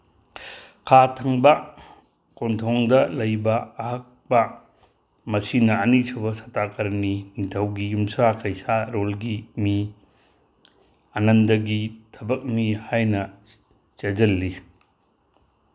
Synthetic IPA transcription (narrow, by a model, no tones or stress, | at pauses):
kʰatʰɐŋbɐ | kontʰɔŋdɐlɐjbɐːhɐk̚pɐ | mɐsinɐːnisobɐsɐtakɐɾninitʰɐwɡijumsakʰɐjsaɾolɡimi | ɐnɐndɐɡitʰɐbɐk̚mihajnɐ | t͡ʃed͡ʒɐlːi